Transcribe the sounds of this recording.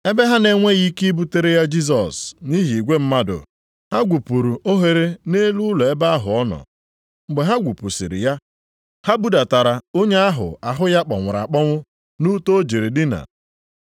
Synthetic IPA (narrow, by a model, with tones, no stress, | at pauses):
e˦be˦ɦa˦ne˨ŋʷe˦ɣi˦ki˦bu˦te˦ɾe˦ja˦d͡ʒi˦s̬ɔ˨sni˦ɦi˨ɡʷe˦m̩˦ma˦dʊ̰˨ | ha˦ɡʷu˨pu˨ɾu˨o˦ɦe˨ɾe˦ne˦lu˦lɔ˨e˦ba˦a˦ɦʊ̰˨ɔ˦nɔ̰˨ | ŋ͡m̩˦ɡ͡be˨ɦa˦ɡʷu˨pu˨sḭ˨ɾɪ̰˨ja˦ | ha˦bu˦da˨ta˨ɾa˨o˦ɲe˦a˦ɦʊ̰˨a˨ɦʊ˦ja˦k͡pɔ̰˨ŋʷʊ˨ɾa̰˨k͡pɔ˦ŋʷʊ˦ | nu˦to˦o˦d͡ʒi˨ɾe˨dɪ˦na̰˨